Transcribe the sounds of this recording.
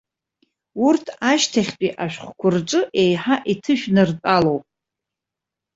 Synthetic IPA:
urtʰaʃtʰaχʲt͡pʷʼiʔaʃᶣχʷkʷʰʊrʈ͡ʂʼɨʔe̞jħaʔitʰɨʃᶣnɨrt͡sʼalowpʼ

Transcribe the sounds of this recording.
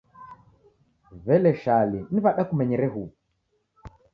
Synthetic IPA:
βɛlɛʃaliniβaɗakumɛɲɛɾɛɦu

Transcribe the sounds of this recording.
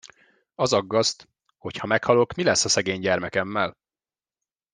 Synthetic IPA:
ɒzɒɡːɒst̪ | ho̞chɒmɛkhɒlo̞kmilɛsːɒsɛɡeːɲɟɛrmɛkɛmːɛl

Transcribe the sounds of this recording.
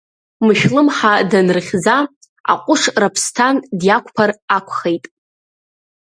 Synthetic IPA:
mɨʃᶣlɨmħadanrχʲza | a̰qʷʼʊʂrapʰstʰandjakʷʰʼpʰarakʷʰχejtʼ

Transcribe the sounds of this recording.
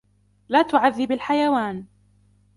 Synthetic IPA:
laːt̪ʊʕaðːɪbalħajawaːn

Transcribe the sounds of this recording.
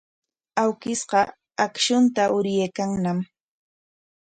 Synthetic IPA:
awkɪsɢɑ | akʃʊnt̪aʔʊɾjeːkaŋnam

